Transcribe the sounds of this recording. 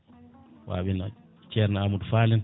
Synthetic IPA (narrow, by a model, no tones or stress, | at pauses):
wa̰ɓina | t͡ʃɛɾnaamudfalin